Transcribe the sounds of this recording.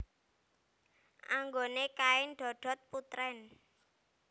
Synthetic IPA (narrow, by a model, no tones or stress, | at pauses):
ʔaŋɡonekaɪnɖ̪̥ɔ̤ɖ̥ɔ̤t̪̚put̪ɾɛn